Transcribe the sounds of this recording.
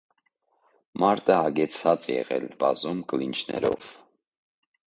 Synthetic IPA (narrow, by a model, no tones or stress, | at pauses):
mɑɾt̪ʼəɑɡɛt͡sʰvɑt͡sɛjɛʁɛlbɑzumkəlint͡ʃʰnɛ̰ɾɔv